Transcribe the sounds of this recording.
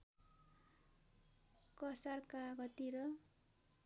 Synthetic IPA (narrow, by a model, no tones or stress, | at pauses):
kʌsarkaɡʌt̪iɾʌ